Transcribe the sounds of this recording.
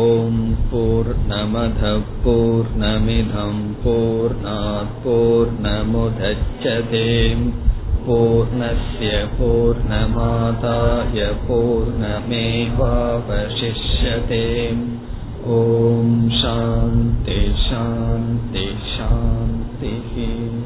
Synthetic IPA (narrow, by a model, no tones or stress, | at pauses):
oːmpuːɾɳɐmɐd̪ʱɐpuːɾɳɐmid̪ʱɐmpuːɾɳaːt̪̚puːɾɳɐmud̪ʱɐt͡ʃːɐt̪eːmpuːɾɳɐsjɐpuːɾɳɐmaːt̪aːjɐpuːɾɳɐmeːʋaːʋɐʃiʂjɐt̪eːm | oːmʃaːnt̪iʃaːnt̪i | ʃaːnt̪iɦi